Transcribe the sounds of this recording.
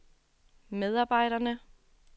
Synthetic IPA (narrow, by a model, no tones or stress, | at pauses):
með̞ˠɑ̈b̥ɑ̈ɪ̰ɾɐnə